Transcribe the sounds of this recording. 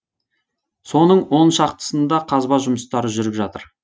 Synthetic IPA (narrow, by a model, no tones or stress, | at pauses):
so̞nəɴwo̞nʃɑqt̪ə̥sənd̪ɑqʰɑzbɑʒʊməst̪ɑɾəʒʏɾɪpʒɑt̪əɾ